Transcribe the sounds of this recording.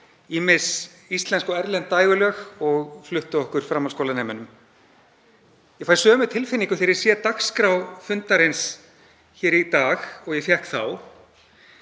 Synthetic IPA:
imɪs | ist̪lɛnskɔɛɾlɛnt̪ːaːjɣʏlœːxɔɣflʏht̪ʏɔhkʏɾ̥fɾaːmːalskowlanɛːmʏnʏm | jɛfajɾsœːmʏt̪ʰɪlfɪnːiŋkʏθɛɾɪɾ̥sjɛt̪akskɾawfʏnt̪aɾejns | çɛːɾit̪aːxɔɣjɛfθjɛhkθaw

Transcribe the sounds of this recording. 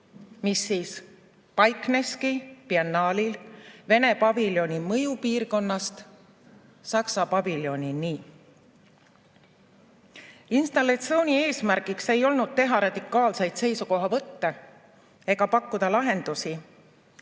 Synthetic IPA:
misːiːs | pɑjkˑne̞skipiɑnːɑːlilve̞ne̞pɑviljo̞nʲimɤ̞jupiːrko̞nːɑst̪ | sɑksɑpɑviljo̞nʲiniː | inst̪ɑlːɑt̪sio̞wnʲie̞ːsmæɾɡ̥ikse̞jo̞lnud̪̥̚t̪e̞ɦɑɾɑd̪̥ikːˑɑːlse̞jd̪se̞jsuko̞ɦɑvɤt̪ːe | e̞ɡ̥ɑpɑkːˑud̪̥ɑlɑɦe̞nd̪̥usi

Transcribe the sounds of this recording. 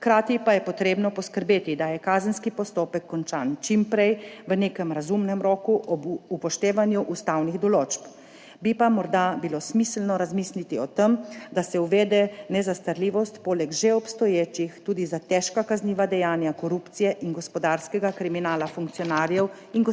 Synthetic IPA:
xkɾaːt̪ipajɛpɔt̪ɾeːbnɔpɔskəɾbeːt̪id̪ajɛkaːzənskipɔst̪oːpɛkːɔnt͡ʃaːnt͡ʃimpɾɛjʋəneːkəmɾazumnɛmɾoːkuʔɔbupɔʃt̪eːʋanjuʔust̪awniɣd̪ɔloːt͡ʃp | bipamɔɾd̪abilosmislnɔɾazmislit̪iɔt̪əmd̪asɛuʋɛːd̪ɛnɛzast̪aɾliːʋɔst̪poːlɛɡʒeɔpst̪ɔjeːt͡ʃixt̪uːd̪izat̪ɛʃkakazniːʋad̪ɛjaːnjakɔɾupt̪sijɛʔiŋɡɔspɔd̪aːɾskɛɡakɾiminaːlafuŋk̚tsijɔnaːɾjɛw | iŋɡ

